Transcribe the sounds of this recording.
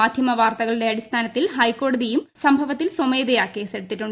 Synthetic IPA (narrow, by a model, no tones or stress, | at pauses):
aːd̪ʱjɐmɐʋaːrt̪ɐɣɐɭiɽe̞ɐɽist̪ʰaːnɐt̪ːilɦɐjkːo̞ːɽɐðijumsɐmbʱɐʋɐt̪ːilsomeːðɐjaːkːeːseɽut̪ːiʈːuɳ